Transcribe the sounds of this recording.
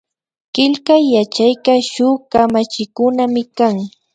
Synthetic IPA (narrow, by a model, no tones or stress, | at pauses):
ɢ̥ɪʎkajat͡ʃajkaʃʊːkamat͡ʃɪkʊnamɪkaŋ